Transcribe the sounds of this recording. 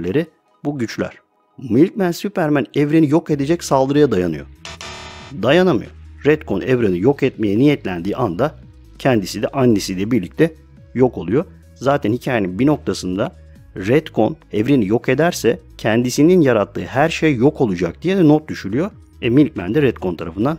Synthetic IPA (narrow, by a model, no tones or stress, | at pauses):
lʲeɾi | buɟyt͡ʃlʲæ̰ɾ̥ | milʲc̚mænsypʰæɾmænɛvɾenijo̞ke̞d̪e̞d͡ʒɛcsalˠd̪ɯɾɯjad̪ajanɯjo̞̰ | d̪ajanamɯ̰jo̰ɾɛt̪kʰo̞̰nɛvɾenijo̞kɛt̪̚me̞jɛnijɛt̪lʲænd̪iːʔand̪a | cʰɛnd̪isid̪ɛʔanːisilʲɛbiɾlʲic̚t̪ʰɛ | jo̞kʰo̞lˠujo̞ | zaːt̪ʰænhicʰaːjeninbino̞k̚t̪ʰasɯnd̪a | ɾɛt̪kʰo̞nɛvɾenijo̞ke̞d̪æɾsɛcʰɛnd̪isininjaɾat̪ʰːɯ̰ːhæɾʃejjo̞kʰo̞lˠud͡ʒak̚d̪ijɛd̪ɛnot̪̚d̪yʃylʲyjo̞ | ɛmilʲcmæ̰nd̪ɛɾɛt̪̚kʰo̞nt̪ʰaɾafɯnd̪an